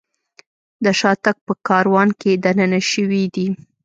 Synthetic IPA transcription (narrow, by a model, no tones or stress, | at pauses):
d̪əʃɑt̪ak̚pəkɑɾwɑnked̪anənaʃəwid̪i